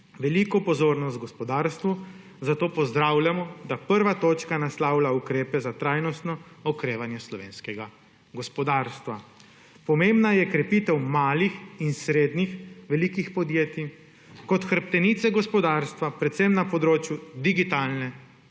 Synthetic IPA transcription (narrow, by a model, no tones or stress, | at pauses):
ʋɛlikɔpɔzoːɾnɔst̪ɡɔspɔd̪aːɾst̪ʋu | zat̪oːpɔzd̪ɾaːwljamɔd̪apəɾʋat̪oːt͡ʃkanaslaːwlaukɾeːpɛzat̪ɾajnɔst̪nɔ | ɔkɾeːʋanjɛslɔʋeːnskɛɡa | ɡɔspɔd̪aːɾst̪ʋa | pɔmẽmbnajɛkɾɛpiːt̪ɛwmaːlixinsɾeːd̪nixʋɛliːkixpɔd̪jeːt̪i | kɔt̪xəɾp̚t̪ɛnit̪sɛɡɔspɔd̪aːɾst̪ʋapɾɛt̪sɛmnapɔd̪ɾoːt͡ʃjud̪iɡit̪aːlnɛ